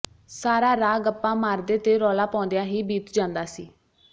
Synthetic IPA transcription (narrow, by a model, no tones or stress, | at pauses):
saːɾaːɾaːɡəpːãːmaːɾd̪eːt̪eːɾɔːlaːpɔ̃ːnd̪ejãːɦiːbiːt̪d͡ʒãːnd̪aːsiː